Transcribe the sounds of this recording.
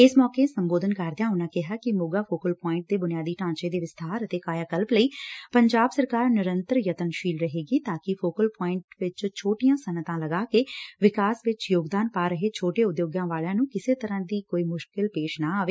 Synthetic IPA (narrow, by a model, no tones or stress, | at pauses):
ɪsmɔːkeːsəmboːd̪ənkəɾd̪ejãːʊnãːkɪɦaːkɪmʊɡaːfʰoːkəlpɔːɪ̃ɳʈ̚d̪eːbʊnɪjaːd̪iːʈãːt͡ʃeːd̪eːʋɪst̪ʰaːɾət̪eːkaːjaːkəlpləiːpəɲd͡ʒaːbsəɾkaːɾnɪɾənt̪ɾjət̪ənʃiːlɾəɦeːɡiːt̪aːkɪfʰoːkəlpɔːɪɳʈʋɪt͡ʃt͡ʃʰoːʈɪjãːsənət̪ãːləɡaːkeːʋɪkaːsʋɪt͡ʃjoːɡd̪aːnpaːɾəɦeːt͡ʃʰoːʈeːʊd̪joːɡãːʋaːɭjãːnũːkɪseːt̪əɾãːd̪iːkoːiːmʊʃkɪlpeːʃnaːaːʋeː